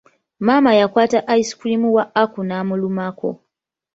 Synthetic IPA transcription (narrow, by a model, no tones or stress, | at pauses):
maːmajakwaːtaʔaisi̥kulimuwaakunaːmulumako̰